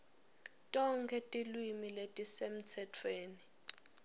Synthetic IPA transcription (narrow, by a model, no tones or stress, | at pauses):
tʼɔŋkʰɛtʼilwimiletʼisem̩t͡sʰɛtʰweːni